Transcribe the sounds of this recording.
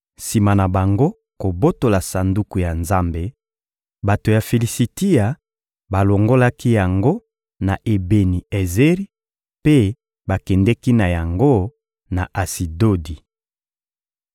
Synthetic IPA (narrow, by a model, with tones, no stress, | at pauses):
si˨ma˨na˨ba˨ŋɡo˦ | ko˨bo˦to˨la˨sa˨ndu˦ku˨ja˨nza˦mbe˦ | ba˨to˨ja˨fe˨li˨si˨ti˦ja˨ | ba˨lo˨ŋɡo˦la˦ki˦ja˨ŋɡo˦ | na˨ʔe˨be˨ni˨e˨ze˦ʁi˦ | pe˦ | ba˨kɛ˨ndɛ˦ki˦na˨ja˨ŋɡo˦ | na˨ʔa˨si˨do˦di˨